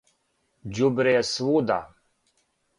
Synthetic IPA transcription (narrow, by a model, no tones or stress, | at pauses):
d͡ʒubɾeswud̪a̰